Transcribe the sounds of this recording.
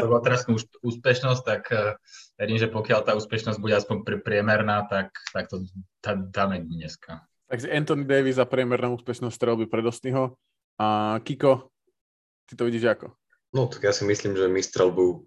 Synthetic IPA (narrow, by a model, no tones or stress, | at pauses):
bɔlat̪ɛɾasnuuʃuːspɛʃnɔs̚t̪akʋɛɾiːmʒɛpɔkɪalt̪aːuːspɛʃnɔzɟbuɟɛaspɔɲpɾɛpɾɪɛmɛɾnaːt̪akt̪ak̚t̪ɔd̪ad̪aːmɛɲɛskʰa | t̪aɡʒɛɛnt̪ɔnid̪ɛjʋizːapɾɪɛmɛɾnɔ̃ʊuːspɛʃnɔst̪ɾɛlbipɾɛd̪ɔst̪iɦɔ | akikɔ | t̪it̪ɔʋiɟiːʒakɔ | nɔt̪ḁɡjasimisliːmʒɛmist̪ɾɛlbu